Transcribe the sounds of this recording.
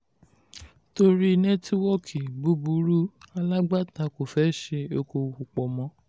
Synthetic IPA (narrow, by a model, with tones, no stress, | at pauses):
to˧ɾi˦nɛ˦ti˦wɔ˦˨kʰi˨bu˦bu˨˦ɾu˦a˧la˦ɡ͡ba˦ta˧ko˨fɛ˨˦ʃe˧o˧ko˧u˨k͡pɔ˨mɔ̃˨˦